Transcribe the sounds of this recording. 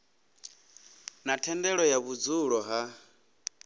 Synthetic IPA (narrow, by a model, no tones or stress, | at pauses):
natʰɛndɛɺɔjaβud͡zuɺɔɦa